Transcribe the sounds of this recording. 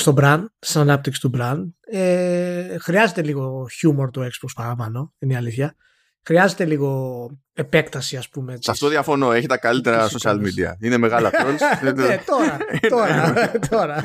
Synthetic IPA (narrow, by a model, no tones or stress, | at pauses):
st̪o̞bɾɐnd̪st̪inɐnɐp̚t̪iksi̥t̪ubɾɐnd̪e | xɾiɐze̞t̪e̞liɣo̞çumo̞ɾt̪oe̞kspokspɐɾɐpɐno̞iniɐliθçɐ | xɾiɐze̞t̪eliɣo̞ | epe̞kt̪ɐsiɐspume̞sɐt̪oðiɐfo̞no̞e̞çit̪ɐkalit̪eɾɐsosɐlmid̪iɐ̰ine̞me̞ɣalɐolet̪oɾɐt̪oɾɐt̪ʰo̞ɾɐ